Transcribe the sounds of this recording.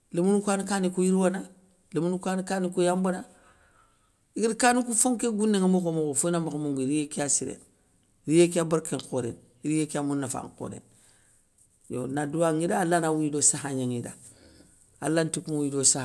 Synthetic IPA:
lemunukʷanikanikujiɾwana | lemunukʷanikanikujambana | ikidkanikufoŋkeɡunːeŋamokomoɡofunamakamuŋɡiɾijekiasiɾḛn | ɾijekiabaɾkeŋkoɾḛn | iɾijekamunːafa̰ŋko̰ɾḛn | jo̰naduwaŋidaːlanawidosahaɲaŋida̰ | alantikumawidosah

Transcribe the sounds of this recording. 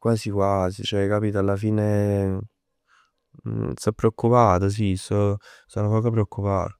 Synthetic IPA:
kwaːsikwaːsit͡ʃɛkːapiːt̪alːafiːne | st̪ɔpːɾeokːupaːt̪os̬isɔsonokɔːkoap̬ɾeokːupa̰ːt̪o

